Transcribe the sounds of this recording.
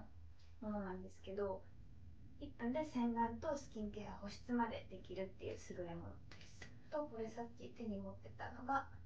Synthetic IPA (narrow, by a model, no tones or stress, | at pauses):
mo̞no̞nãnd̪e̞sɨ̥ke̞d̪o̞ | ipːɯ̟̃nd̪e̞sẽ̞ŋɡ̪ãnt̪o̞sɨ̥kʲĩŋke̞ːɡaho̞ɕi̥t͡sɨmad̪e̞d̪e̞kʲiɾɯ̟t̪ːe̞̰jɯ̟̰ːsɨɾoemo̞̰no̰d̪e̞sɨ̥ | t̪o̞ko̞ɾe̞sakʲːit̪e̞ɲ̟imo̞t̪ːe̞t̪ano̞ɡa